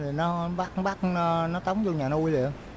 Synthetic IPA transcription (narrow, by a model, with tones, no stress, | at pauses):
i˨˩nɔ˨˦ɓa˦˥k̚ɓaː˦˥k̚nɔ˨˦t̪ə˨˦wŋ͡mzɔ˧ɲaː˨˩n˦˧u˧jlḭ˨ə˨